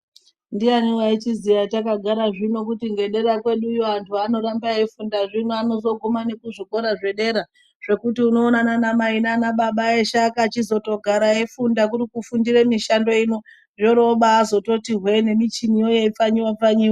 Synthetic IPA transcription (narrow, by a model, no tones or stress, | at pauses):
ndianiwait͡ʃizijatakaɡʱaɾaʐino̞kutiŋɡe̞ɗe̞ɾakwe̞ɗujoantʰuano̞ɾambaefundaʐinoano̞zo̞ɡʱomane̞kuʐiko̞ɾaʐe̞ɗe̞ɾa | ʐ̥e̞kutiuno̞ːnananamainanaɓaɓaeʃakaːt͡ʃizo̞to̞ɡʱaɾaefundakurikufundiremiʃando̞ino̞ | ʐoɾo̞ɓaːzo̞to̞tirwene̞mit͡ʃinijojeifaɲiwap͡faɲiːwa